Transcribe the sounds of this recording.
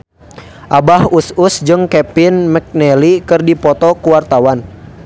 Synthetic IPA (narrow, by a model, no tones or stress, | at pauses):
ʔabahususd͡ʒɨŋkɛpɪnmɛk̚nɛlikɨrdipɔt̪ɔkuwart̪awan